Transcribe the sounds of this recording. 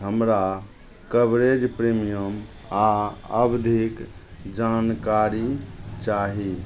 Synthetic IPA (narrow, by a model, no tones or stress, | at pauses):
ɦəmɾa | kəbɾed͡ʒpɾimijəm | aəbd̪ʱikd͡ʒankaɾit͡ʃaɦi